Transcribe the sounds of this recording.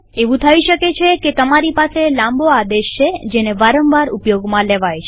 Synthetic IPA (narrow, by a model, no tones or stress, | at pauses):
eʋũt̪ʰəiʃəket͡ʃʰeket̪əmaɾipaselãmbʱoad̪eʃt͡ʃʰed͡ʒeneʋaɾəmʋaɾupjoɡmãleʋajt͡ʃʰe